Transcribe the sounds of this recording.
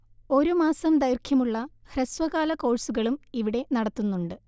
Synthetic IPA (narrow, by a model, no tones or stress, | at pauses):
o̞ɾumaːsɐmd̪ɐjrkʰjɐmuɭːɐ | hresʋɐɣaːlɐko̞ːɻsuɣɐɭumiʋiɽe̞nɐɽɐt̪ːunːuɳɖɨ